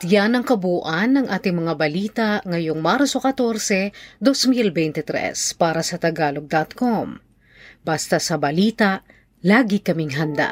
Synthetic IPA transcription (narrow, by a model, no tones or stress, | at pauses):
t̪janɐŋkɐbuːʔɐnːɐŋʔaːt̪ɪŋmɐŋabɐliːt̪ɐʔŋɐjoŋmaɾsokɐt̪o̞ɾsɛd̪osmilbɛjnt̪ɛt̪ɾɛ̰spaːɾɐsɐt̪ɐɡaːloɡ̚d̪ɐt̪kom | b̥ast̪ɐsɐbɐliːt̪aʔ | laːɡikɐmɪŋɦɐnd̪a̰